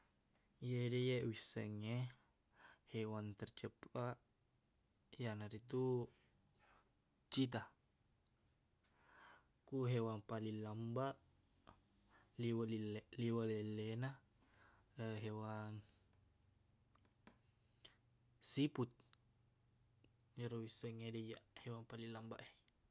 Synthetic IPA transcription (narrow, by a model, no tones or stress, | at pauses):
jedejeʔwisə̰ŋːe | hewant̪ərt͡ʃəpaʔ | janaɾit̪u | t͡ʃit̪̬a | kuɦewaŋpalilambaʔ | liwalilliwalelːena | əɦewaŋ | siput̪̚ | d͡ʒəɾowisəŋeded͡ʒaʔhewaŋpalilamba̰ʔe